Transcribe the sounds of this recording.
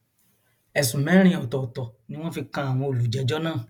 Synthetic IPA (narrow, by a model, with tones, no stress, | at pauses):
ɛ˨sũ˨mɛ̃˨˦ɾ̃ĩ˧ɔ˨tɔ˨tɔ˨nĩ˦w̃ɔ̃˦fi˧kã˧a˨w̃ɔ̃˧o˨lu˨d͡ʒɛ˨˦d͡ʒɔ˦nãː˦˨